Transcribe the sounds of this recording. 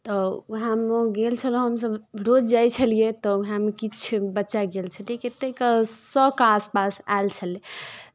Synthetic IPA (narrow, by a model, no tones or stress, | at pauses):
t̪ɔuɦãmeɡelt͡ʃʰəlõɦəmsəbɾod͡ʒd͡ʒajt͡ʃʰəlijet̪ɔuɦãmekit͡ʃʰbətːʃaɡelt͡ʃʰəlieket̪ekəsɔkaspasa̰elt͡ʃʰəle